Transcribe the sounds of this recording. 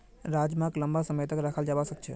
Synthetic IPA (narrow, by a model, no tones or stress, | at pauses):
ɾad͡ʒmakləmbasəməjt̪əkɾakʰəld͡ʒaʋasək̚t͡ʃʰe